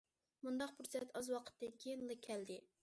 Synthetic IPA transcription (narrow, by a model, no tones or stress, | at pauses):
mund̪ɑqbuɾsɛt̪ɑzwɑqʰə̥t̪ːɨnkʲʰejinlˠɨkʲʰɛld̪ɪ